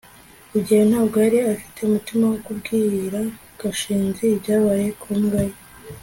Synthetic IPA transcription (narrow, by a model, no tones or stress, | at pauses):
kuɟihenaːɡaɾiafi̥te̞umutimawokubɡiːiɾa | ɡ̥aʃiːnzibɟaːβaje̞kʰumɡaɾi